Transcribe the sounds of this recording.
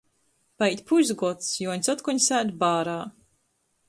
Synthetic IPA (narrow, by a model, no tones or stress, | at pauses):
pait̪ʲpuʒzɡɔt̪sjuɔɲʲsɔt̪kuɲsæːd̪ʲbaːɾaː